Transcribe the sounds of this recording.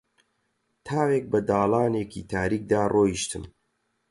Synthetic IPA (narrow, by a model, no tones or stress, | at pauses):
t̪ʰaːweːk̚bɐd̪aːlaːneːkʰḭːt̪ʰaːɾik̚d̪aːrʔoːjiʃt̪ʰɨm